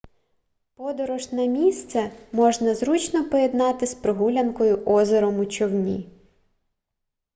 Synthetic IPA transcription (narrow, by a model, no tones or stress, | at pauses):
pɔd̪ɔɾɔʒnɐmʲist̪sɛmɔʒnɐzɾut͡ʃnɔpɔjed̪nɑt̪ɪspɾɪɦulʲɐnkɔjʊʔɔzeɾɔmʊt͡ʃɔwnʲi